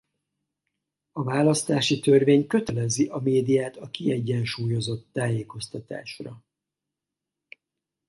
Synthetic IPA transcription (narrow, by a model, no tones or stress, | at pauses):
ɒvaːlɒst̪aːʃit̪ørveːɲkø̞t̪ɛlɛziʔɒmeːd̪ijaːt̪ɒkiɛɟːɛnʃuːjo̞zo̞t̪ːaːjeːko̞st̪ɒt̪a̰ːʃrɒ